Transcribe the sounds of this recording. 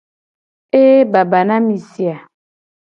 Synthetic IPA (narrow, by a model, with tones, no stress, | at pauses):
e˦ba˨ba˨na˦mi˨si˨a˨